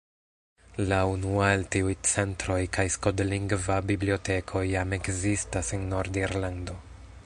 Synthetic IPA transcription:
launualtiujt͡se̞ntɾo̞jkajskodliŋɡvabiblio̞te̞kʰo̞jame̞kzistasenːo̞ɾdiɾlando̞

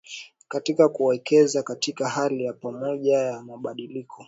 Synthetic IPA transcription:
katikakuwɛkɛzakatikahalijapamɔʄajamaɓaɗilikʰɔ

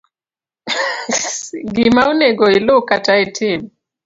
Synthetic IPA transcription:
ɡimaunɛɡɔilokataitʰim

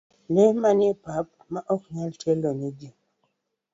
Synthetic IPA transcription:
lemanipap̚maʔɔk̚ɲaltʰelonid͡ʒi

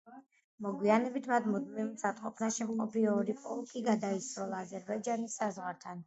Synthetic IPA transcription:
mɔɡwianɛbit̪ʰmat̪mud̪̚mimzat̪ʼqʼɔpʰnaʃɛmqʼɔbiɔːɾipʼɔlˠkʼiɡad̪aisɾɔlˠaːzɛɾbaid͡ʒanisːazʁwaɾt̪ʰan

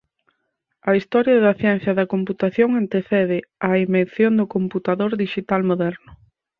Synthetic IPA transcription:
ɐist̪ɔɾjɐðɐθjɛn̟θjɐðɐkomput̪aθjoŋant̪eθɛð̞ɪɐimenθjond̪ʊkomput̪aðoɾðiʃit̪almoðɛɾnʊ

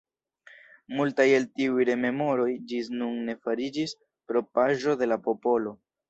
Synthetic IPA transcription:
multaje̞ltiujɾe̞me̞mo̞ɾo̞jd͡ʒisnunːe̞faɾid͡ʒis | pɾo̞paʒo̞de̞lapo̞po̞lo̞

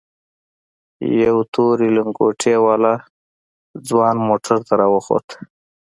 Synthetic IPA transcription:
ja̰wt̪ʰoɾilɪŋkoʈʰewɑla | d͡zwɑnmoʈʰaɾt̪aɾɑwəxo̰t̪

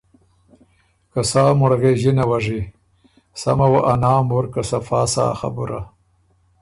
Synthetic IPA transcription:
kasaːmuɽaɣeʒinawaʐi | samawaʔanɑːmuɾkasafaːsa̰ːxa̰buɾʔa̰

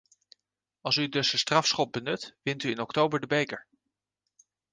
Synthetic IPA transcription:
ɑlˠsydɵsəstrɑfsχɔt̚bənɵtʋɪntyɪnɔktowbəɹdəbejkəɹ

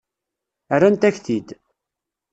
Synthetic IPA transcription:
ərːænt̪æçθid̪

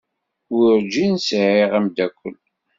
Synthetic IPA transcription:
ʊɾɾd͡ʒinsʕiʁæmd̪ækʷːəl

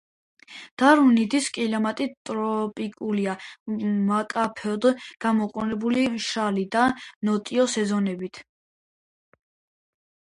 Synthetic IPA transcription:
d̪̥aɾunid̪iskʼilɔmat̪ʼit̪ʼɾɔpʼikʼuliamakʼapʰɛɔd̪ɡ̥amɔqʼɔnɛbuliʃalid̪anɔt̪ʼiɔsɛzɔnɛbit̪ʰ

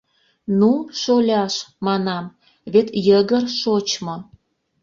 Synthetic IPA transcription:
nuʃolʲɑʃmɑnɑm | βet̪jəɣərʃot͡ɕmo

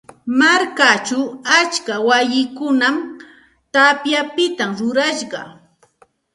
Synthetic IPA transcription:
maɾkat͡ʃʊat͡ʃkawajɪkʊnam | t̪apjapɪt̪amɾʊɾaʃɢɑ̰

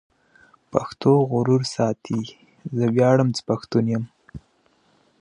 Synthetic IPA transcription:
paxt̪ʰoɣʊɾuɾsɑt̪ʰi | zəwjɑɽəmt͡sə̥paxt̪unjəm

